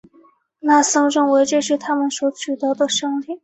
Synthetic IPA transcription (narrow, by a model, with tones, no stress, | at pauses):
na˥˩sɤ˥ŋʈ͡ʂɤ˥˩ŋwe˧˥ɪʈ͡ʂə˥˧ʂɻ̩˥˩t̪ʰa˥mə˨nswɔ˧˥t͡ɕʰy˨˩t̪ɤ˧˥d̪ə˨ʂɤ˥ŋli˥˩˦